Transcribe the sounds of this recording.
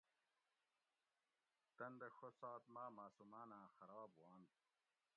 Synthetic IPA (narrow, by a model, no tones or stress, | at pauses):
t̪ɐnd̪exosaːt̪maːmaːsumaːnãːxɐɾɑːbwɑːnd̪